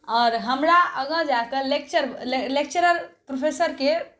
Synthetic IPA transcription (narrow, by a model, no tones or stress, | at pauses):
ɔːɾɦəmɾaəɡə̃d͡ʒak̪əlek̚t͡ʃəɾelek̚t͡ʃəɾəlpɾopʰesəɾke